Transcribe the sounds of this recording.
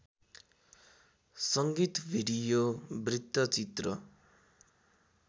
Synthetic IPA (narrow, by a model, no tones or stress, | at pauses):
sʌŋɡit̪bʱiɽijobrit̪ːʌt͡sit̪rʌ